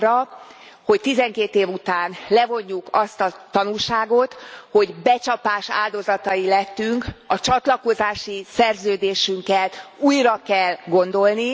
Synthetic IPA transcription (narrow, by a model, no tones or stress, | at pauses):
rɒ | ho̞ct̪izɛŋkeːt̪eːvut̪aːnlɛvo̞ɲːukɒst̪ɒt̪ɒnulʃaːɡo̞t̪ho̞ɟbɛt͡ʃɒpaːʃa̰ːld̪o̞zɒt̪ɒilɛt̪ːyŋkɒt͡ʃɒt̪lɒko̞zaːʃisɛrzøːd̪eːʃyŋkɛluːjrɒkɛlɡo̞nd̪o̞lni